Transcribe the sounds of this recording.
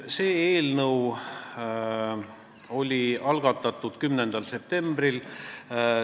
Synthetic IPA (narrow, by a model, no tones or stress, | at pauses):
se̞ːeːlnɤw | o̞lʲiɑlɡ̥ɑt̪ːˑɑt̪ːˑud̪̥kymne̞nd̪̥ɑlse̞p̚t̪e̞mb̥ril